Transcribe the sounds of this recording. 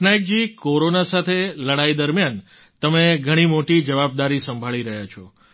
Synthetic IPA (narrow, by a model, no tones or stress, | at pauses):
najk̚d͡ʒikoɾonasat̪ʰeləɽaid̪əɾmjan | t̪əmeɡʱəɽ̃imoʈid͡ʒəʋab̚d̪aɾisəmbʱaɭiɾəɦjat͡ʃʰɔ